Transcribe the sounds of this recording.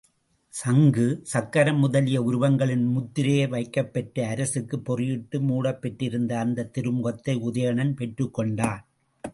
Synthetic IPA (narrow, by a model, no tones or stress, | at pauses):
sɐŋɡɯsɐkːɐɾɐmːʊðɐlɪjɐʊɾɯʋɐŋɡɐɭɪnmʊt̪ːɪɾɐjɐɪʋɐɪkːɐpːɛʈːɐɐɾɐsɯkːɯpːɔrɪjɪʈːɯmuːɽɐpːɛʈːɪɾɯnd̪ɐːnd̪ɐt̪ɪɾɯmʊɣɐt̪ːɐɪʊðɐjɐɳɐnpɛʈrɯkːɔɳɖaː